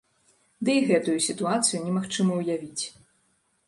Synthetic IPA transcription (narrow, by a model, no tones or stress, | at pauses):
d̪ɨiɣɛt̪ujusʲit̪uat̪sɨjunʲɛmaxt͡ʂɨmɐwjavʲit͡sʲ